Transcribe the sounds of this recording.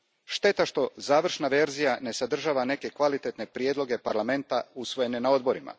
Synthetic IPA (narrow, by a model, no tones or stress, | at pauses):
ʃt̪e̞t̪aʃt̪o̞zaːʋr̩ʃnaʋe̞ɾzijane̞sad̪r̩ʒaːʋane̞kekʋalit̪et̪ne̞pɾijed̪lˠo̞ɡe̞paɾlame̞nt̪ausʋo̞je̞ne̞nao̞d̪̚bo̞ɾima̰